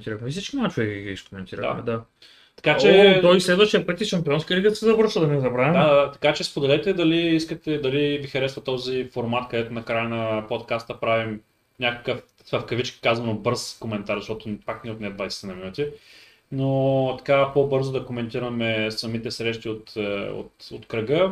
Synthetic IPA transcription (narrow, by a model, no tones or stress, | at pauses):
nt̪iɾəxmɛfsit͡ʃkʲinat͡ʃovɛɡɡiʃkomɛnt̪iɾə̰d̪a̰mɛ̰d̪a | t̪ɐ̥kat͡ʃɛt̪ɔislɛd̪vɐʃt̪iəpət̪iʃɐmpiɔnskiəliɡət̪sɛzɐvɤɾʃəd̪ɐnɛzɐbɾavɛmd̪t̪ɐ̥kat͡ʃɛspod̪ɛlɛt̪ɛd̪ɐliiskət̪ɛd̪ɐlivixɐɾɛsvɐt̪ɔzifoɾmat̪kɐd̪ɛt̪ʊnɐkɾajənɐpot̪kast̪ɐpɾavim | nʲakəkəf | svəfkɐvit͡ʃki̥kazvɐnobɤɾskomɛnt̪aɾzəɐʃt̪ɔt̪ʊpaknɛot̪nɛd̪vajsɛ̥t̪inɐminut̪ʲi | not̪ɐ̥kapobɤɾzʊd̪ɐkomɛnt̪iɾɐmɛsɐmit̪ɛsɾɛʃt̪iot̪o̰t̪o̰t̪kɾɐɡə